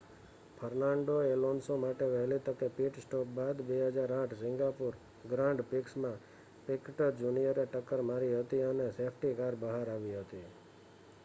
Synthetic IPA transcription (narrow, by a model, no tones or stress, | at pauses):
pʰəɾnaɳɖoelonsomaʈeʋɛɦlit̪əkepiʈsʈɔk̚bad̪beɦəd͡ʒaɾãʈʰsɪ̃ŋɡapuɾ | ɡɾãɳɖpiksmã | pɪkʈəɾd͡ʒunijəɾeʈəkːəɾmaɾiɦət̪iənesepʰʈikaɾbəɦaɾaʋiɦət̪i